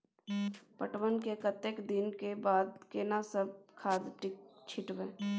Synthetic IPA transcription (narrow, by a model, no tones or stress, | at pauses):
pəʈwənkekət̪ekd̪ɪnkebaːd̪keːnasəb̚kʰaːd̪ʈɪkt͡ʃʰɪʈʋẽː